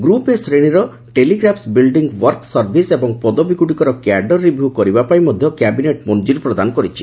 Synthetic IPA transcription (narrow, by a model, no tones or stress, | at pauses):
ɡɾupesɾeɽ̃iɾɔ | ʈeliɡɾapʰsbilɖiŋɡwɔɾksɔɾbʱisebɔŋpɔd̪obikuɽikɔɾɔkjaɖɔɾːibʱjukɔɾibapaĩmɔd̪ʱjɔkjabineʈmɔnd͡ʒiɾpɾɔd̪anɔkɔɾit͡ʃʰi